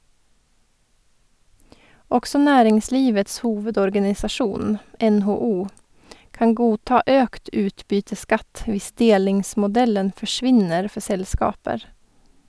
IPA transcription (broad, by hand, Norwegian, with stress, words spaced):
ˈɔksɔ ˈnæːɾɪŋˌsliːʋəts ˈhuːʋədɔɾɡɑnɪsɑˌʃuːn ɛnhoːˈuː ˈkɑŋ ˈɡuːˌtɑː ˈøːkt ˈʉːtˌbyːtəˌskɑt ˈʋɪs ˈdeːlɪŋsmʊˌdɛlən fɔˈʃʋɪnəɾ ˈfɔ ˈsɛlˌskɑːpəɾ